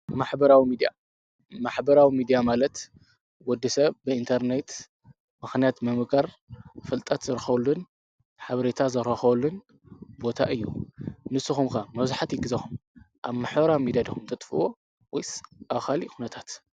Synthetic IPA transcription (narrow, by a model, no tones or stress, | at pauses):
ɨmaħbɐɾawimid̪ija | maħbɐɾawimid̪ijamalɐt̪ | wɔd̪isɐβbɨint̪ʰɐɾnet̪ | mɨxnijat̪mɐmɨkʰʼɐɾ | fɨlt̪ʼɐt̪zɨɾɨxɐβlːun | ħaβɐɾet̪ʰazɐɾɐxɐβlːun | bo̞t̪ʰa̰ʔɨjːṵnɨsːɨxumkamɐβzaħat̪jɪɡɨzɐxum | ʔaβmaħbɐɾawimid̪jad̪ixumt̪ʰɐt̪ʼfwo | wɔjsʔaβxalixʰunɐt̪ʰat̪